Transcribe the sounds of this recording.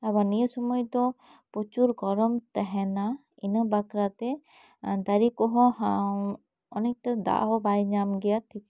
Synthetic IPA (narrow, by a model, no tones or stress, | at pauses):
aβanijəsɔmɔjd̪ɔ | pɔt͡ʃuɾɡɔɾɔmt̪ɛɦɛna | inəbakɾat̪ɛ | d̪aɾikɔɦɔ̃ɦaw | ɔnɛk̚t̪ɛd̪a̰ʔɦɔbajɲamɡɛjaʈʰik